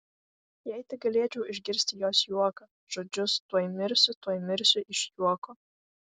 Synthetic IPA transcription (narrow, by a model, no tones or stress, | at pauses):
jɛjt̪ʲɪɡɐlʲeːt͡ʃʲɛʊɪʒʲɡʲɪɾʲsʲt̪ʲɪjoːsjuɔkɐ | ʒ̥od͡ʒʲʊst̪uɔjmʲɪɾʲsʲʊt̪uɔjmʲɪɾʲsʲʊʔɪʃjuɔko